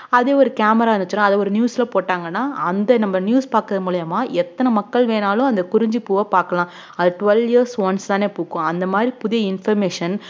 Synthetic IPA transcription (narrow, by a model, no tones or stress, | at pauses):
ɐðeːɔɾɯkaːmɐɾaːɐnd̪ɯt͡ʃːɪɾãːɐðɐɔɾɯnjuːsɪlɐpoːʈːaːŋɡɐnːaːʔɐnd̪ɐnɐmːɐnjuːspaːɾkɾɐðɐmuːɭɪjɐmaːʔɛt̪ːɐnɐmɐkːɐɭʋeːnaːlʊ̃ɐnd̪ɐkʊɾɪɲd͡ʒipuːʋɐpaːɾkɐlãː | ɐðʈʊʋɛljiɐɾsʋɐnst̪ãːneːpuːkːʊ̃ɐnd̪ɐmaːd̪ɾipʊðɪjɐɪnfɐɾmeːʂɐn